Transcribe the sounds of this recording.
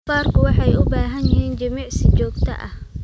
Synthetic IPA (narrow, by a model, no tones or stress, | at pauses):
faːrkʰʊwɑħɑjʊbaːɦɐnjɪhiːnt͡ʃɐmiːʕsɪt͡ʃɔːɡt̪ʰɐ̰ʔɐh